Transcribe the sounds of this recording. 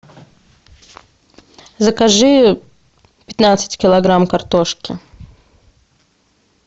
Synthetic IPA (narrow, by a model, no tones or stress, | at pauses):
zəkaʐɨ | pʲɪt̪nat̪sɨ̥tʲkʲɪlˠɐɡɾamkɐrt̪oʂkʲɪ̰